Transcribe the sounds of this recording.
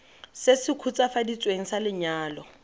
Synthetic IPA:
sɪsɪkʰut͡sʼafadit͡sʼweŋ̩salɪɲaːlɔ

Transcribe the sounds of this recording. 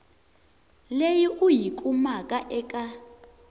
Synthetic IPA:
lejiʔujikʼumakʼaʔɛkʼa

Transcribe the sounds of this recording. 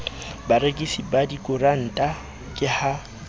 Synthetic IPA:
baɾekʼisibadikʼʊran̩tʼa | kʼɪha

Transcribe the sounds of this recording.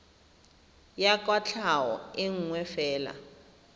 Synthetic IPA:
jakʼwat͡ɬʰawɔ̰ɪŋ̩ŋwɛfɛːla̰

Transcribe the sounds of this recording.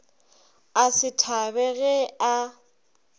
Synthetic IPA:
asɪtʰabɛɣɛa

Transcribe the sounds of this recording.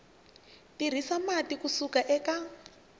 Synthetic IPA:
tir̤isamatikusukaʔɛka

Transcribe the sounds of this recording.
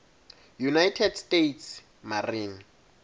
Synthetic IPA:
junajtʰɛdstʼetʰs | mariːn

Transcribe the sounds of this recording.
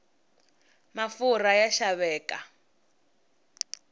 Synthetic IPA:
mafuɾajaʃaβɛːkʼa

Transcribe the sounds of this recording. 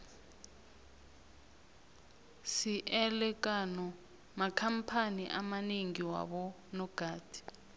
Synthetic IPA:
siʔɛlɛk̬ʼanɔ | makʰampʰaniʔamaniŋiwa̰ɓɔ | nɔɡ̥ʱaːd̥ʱi̥

